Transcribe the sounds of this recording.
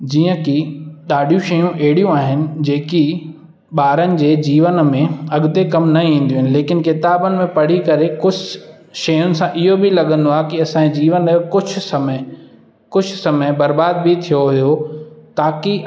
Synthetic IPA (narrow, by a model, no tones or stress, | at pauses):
d͡ʑiːə̃kiɗaːɖʱijũʃɐjũʔeːɽijũaːɦɪnɪ̆d͡ʑeːki | ɓaːɾənɪ̆d͡ʑeːd͡ʑiːʋənmẽɐɠd̪ekɐmnɐĩːn̆d̪iũːɦɪnɪ̆leːkɪnkɪt̪aːbənɪ̆mẽpɐɽ̤ikɐɾekʊd͡ʑʰʱ | ʃɐjʊnɪ̆sãʔɪɦobɪlɐɠə̃nd̪oaːkiɐsãːd͡ʑiːʋənkʊd͡ʑ̆ʱʰsɐmə | kʊd͡ʑʱʰsɐməbɐɾbaːd̪̚bit̪ʰijoɦʊjot̪aːki